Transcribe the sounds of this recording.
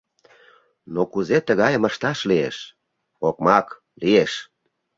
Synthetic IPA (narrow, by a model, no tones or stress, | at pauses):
nokuzet̪əɣɑjəməʃt̪ɑʃliḛʃ | ok̚mɑk | lieʃ